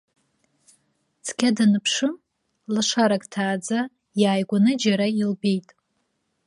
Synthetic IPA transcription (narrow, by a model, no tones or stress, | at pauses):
t͡sʰkʲʰadanɨpʰʂɨm | lɨʂaɾakʼtʰaːd͡za | jaːjɡʷanɨd͡ʒaɾailbe̞jtʼ